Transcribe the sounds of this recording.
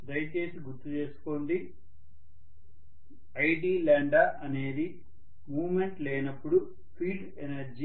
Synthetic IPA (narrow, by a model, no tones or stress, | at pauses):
d̪ɐjt͡ʃe̞ːsiɡuɾt̪ːut͡ʃe̞ːsu̥koːɳɖi | ɐjʈiːlaːɳɖaːʔɐne̞ːd̪i | muːmeɳʈlɛːnɐpːuɽu | pʰiːɖ | enɐɾd͡ʒi